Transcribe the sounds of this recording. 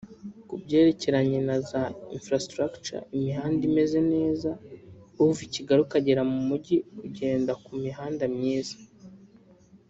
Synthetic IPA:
kubɟe̞ːɾe̞ce̞ɾaɲenazaḭnfɾastɾakt͡ʃa̰imiɦaːndime̞ze̞ne̞ːzauuviciɡaɾukaɟe̞ɾamumuɟiuɟe̞ːndakumiɦaːndamɲiːzḁ

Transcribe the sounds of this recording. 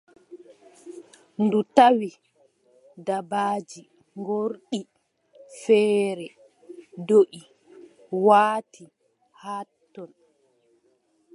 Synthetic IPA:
ndutawi | dabaːd͡ʒi | ŋɡoɾɗi | fɛːɾɛ | doʔi | waːtʰi | hatːɔn

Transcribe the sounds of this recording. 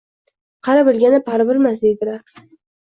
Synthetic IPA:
qʰɑɾabɪlɡʲanɪpʰaɾabɪlmas̬d̪e̞jd̪ɪlaɾ

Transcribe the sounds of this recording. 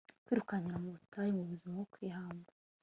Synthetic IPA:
kwiːɾukaɲiɾamuβutajimuβuzimaɡokwiːɦaːmɡa

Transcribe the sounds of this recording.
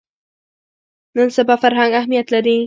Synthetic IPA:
mɪnsabafaɾɦaŋahmijat̪lad̪ɪŋ

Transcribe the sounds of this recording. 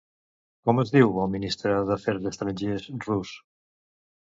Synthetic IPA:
kɔmezðiwaminist̪ɾaðafɛɾðest̪ɾanʲʒesrus

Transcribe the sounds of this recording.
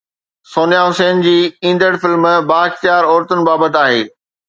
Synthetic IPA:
soːnijaɦʊseːnd͡ʑiːĩːnd̪əɽfɪlmbaːɪxt̪jaːɾɔːɾt̪ʊnɪ̆baːbət̪aːɦḛː

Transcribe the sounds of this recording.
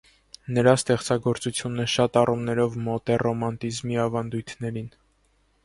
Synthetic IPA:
nəɾɑst̪ɛχt͡sɑɡɔɾt͡sut͡sʰjunəʃɑt̪ɑrumnɛɾɔvmɔt̪ɛrɔmɑnt̪izmiɑvɑnd̪ujt̪ʰnɛɾin

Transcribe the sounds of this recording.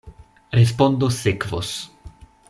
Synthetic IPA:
ɾe̞s̬po̞ndosːekvo̰s

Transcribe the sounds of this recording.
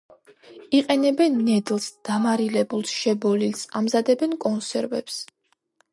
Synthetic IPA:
iqʼɛnɛbɛnːɛd̪lˠsd̪̥amaɾilɛbulˠsʃɛbɔlilsamzad̪ɛbɛnkʼɔnsɛɾvɛ̰ps

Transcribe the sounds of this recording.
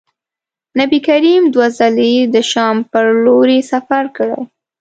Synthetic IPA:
nabikaɾimd̪wazaled̪əʃɑmpəɾloɾesafaɾkəɽə̰j

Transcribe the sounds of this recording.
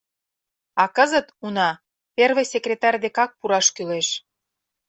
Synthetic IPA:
ɑkəzət̪unɑ | perβĕjsekrʲet̪ɑrʲd̪ekɑk̚puɾɑʃkyleʃ

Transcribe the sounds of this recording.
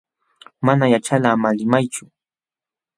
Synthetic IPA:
manajat͡ʃalamalɪmajt͡ʃʊ

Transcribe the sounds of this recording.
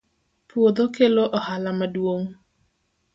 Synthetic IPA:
pwod̪okeloʔɔhalamadwoŋ

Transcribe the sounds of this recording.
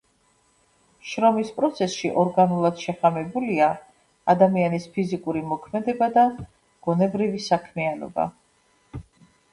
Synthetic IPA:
ʃɾɔmispʼɾɔt̪sʰɛsʃiʔɔɾɡanulˠad̪̥ʃɛχamɛbulia | ad̪amianispʰizikʼuɾimɔkʰmɛd̪ɛbad̪a | ɡ̥ɔnɛbɾivisakʰmɛanɔ̰ba̰

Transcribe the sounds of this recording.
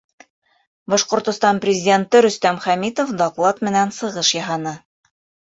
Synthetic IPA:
bɒʃqŏɾt̪ŏst̪ɑnprʲɪzʲɪdʲent̪ɤɾɵ̆st̪æmχæmit̪ofd̪oqlˠɑt̪mɘ̆nænsɤ̆ʁɤʃjɑɦɑnɤ

